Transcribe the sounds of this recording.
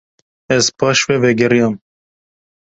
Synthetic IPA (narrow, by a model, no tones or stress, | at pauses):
ɛzpʰɑːʃwɛvɛɡɛɾijɑm